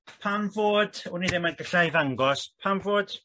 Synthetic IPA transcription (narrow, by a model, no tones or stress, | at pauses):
pʰamvoːd̥uniðɪmanɡəɬajvaŋɡɔspʰamvoːd̥